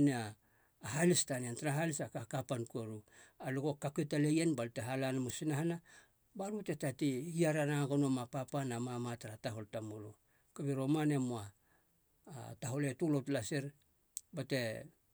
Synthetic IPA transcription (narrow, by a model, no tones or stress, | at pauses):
neaː | ɦalistaniantaɾaɦalisakakapankueɾualuɡo̞kaketalejenbalteɦalanmusinahana | baɾute̞tatihiaɾanaɡonomapapanamamataɾataɦo̞ltamolo | kaβiɾo̞mane̞moa | taɦo̞letulotlaseɾ | bate̞